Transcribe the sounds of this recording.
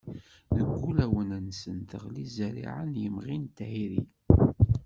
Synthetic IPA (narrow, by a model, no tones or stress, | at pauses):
ðəɡʷːulæwənænsənt̪əʁlizəɾḭʕənjəmʁint̪æhiɾḭ